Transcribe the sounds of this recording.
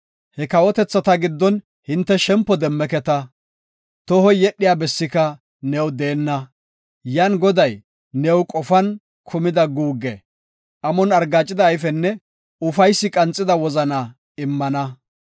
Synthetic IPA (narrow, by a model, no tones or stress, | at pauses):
hɛkɐwɔt̪ɛt͡sːɐt̪ɐɡɪd̪ːɔn | hɪnt̪ːɛʃɛmpːɔd̪ɛmːɛkɛt̪ɐ | t̪ɔhɔjjɛɗːɪjaːbɛsːɪkɐ | nɛwd̪e̞ːnːɐ | janɡɔd̪ɐj | nɛwkʼɔfɐn | kʰʊmɪd̪ɐɡuːɡːɛ̰ | ʔɐmɔnɐɾɡaːt͡ʃʼːɪd̪ɐːjfɛnːɛ | ʊfɐjsːɪkʼɐnt͡sʼːɪd̪ɐwɔzɐnɐ | ɪmːɐnɐ